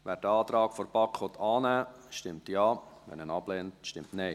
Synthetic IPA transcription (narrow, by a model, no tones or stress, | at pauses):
ʋæːɾdəɑːt̪ɾɑːkfɔɾb̥ɑkʰʋɔt̪ʰɑːnæː | ʃtɪmtjɑːʋɛ̰nənɑb̥lɛntʃtɪmtnɛɪ